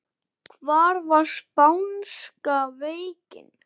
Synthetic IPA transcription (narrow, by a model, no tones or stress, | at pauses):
kʰvaːɾvaspawnskaveːjcɪ̰n